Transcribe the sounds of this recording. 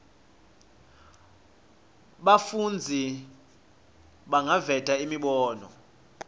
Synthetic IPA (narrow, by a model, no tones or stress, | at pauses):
ɓafund͡zʱi | ɓaŋavɛtʼaimiɓɔːnɔ̰